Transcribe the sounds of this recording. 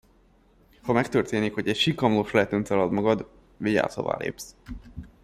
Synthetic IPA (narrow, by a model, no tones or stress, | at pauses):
hɒmɛkt̪ørt̪eːnikho̞ɟɛcʃikːɒmloʃlɛt̪ønt̪ɛlɒd̪mɒɡɒd̪ | viɟa̰ːso̰va̰ːlḛːps